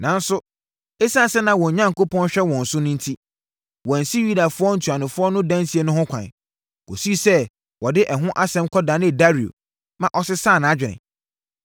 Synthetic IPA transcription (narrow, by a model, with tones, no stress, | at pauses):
nã˨n˦sʊ˦ | e˦sa˦˨sɛ˦nã˨wɔ̃˨ɲã˦ŋ̩˨ko˦pʰɔ̃˦nɕᶣɛ˦wɔ̃˨n̩˨sʊ˦nʊ̃˦n̩˦tʰi˦ | wɔ̃˨n̩˨si˦ju˦da˨fʊ˦ɔ˦n̩˦tʰu˨a˨nʊ̃˨fʊ˦ɔ˦nʊ̃˦dã˦nsi˦e˦nʊ̃˦hʊ̃˦kʷʰã̰˨n | o̰˨si˦i˦sɛ˦ | wɔ˨dɪ˦ʔɛ˨ɦʊ̃˦ʔa˦sɛ̃˦mkʰɔ˦dã˨nɪ̃˦˨da˦ɾi˨o̰˨ | mã˨ʔɔ˨sɪ˦sa˦˨nã˨˦d͡ʑᶣɪ˨ɪ̰̃˨